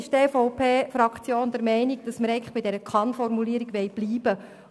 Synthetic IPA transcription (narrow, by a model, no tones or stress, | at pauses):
ɪʃtefɔʊpʰeːfɾɑkχt͡sjoːnd̪əɾmɛɪniɡ̚d̥ɑsməɾɛɪɡŋ̩nləχb̥iɪdɛɾəkʰɑnfɔrmuliːəɾiɡʋɛɪb̥liːb̥ə